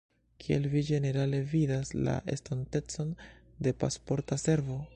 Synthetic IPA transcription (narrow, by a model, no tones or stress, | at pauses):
kʰielvid͡ʒe̞ne̞ɾale̞vidasla̰ʔe̞̰stonte̞t͡so̞n | de̞pa̰spo̞ɾtase̞ɾvo̞